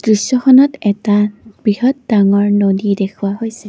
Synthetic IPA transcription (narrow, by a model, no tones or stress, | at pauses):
tɹisɔxɔnɔtɛtab̥ɹihɔt̚daŋɔɹnodidɛkʰuwaɦojsɛ